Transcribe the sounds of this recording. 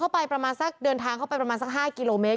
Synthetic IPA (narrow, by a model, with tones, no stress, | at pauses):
a˥˩wpa˧jpɾa˧maː˧nsa˦˥˩k̚dɤː˧nt̪ʰaː˧ŋkʰpa˧jpɾmaː˧nsa˥k̚ɦaː˥˩ki˧loː˧meː˦˥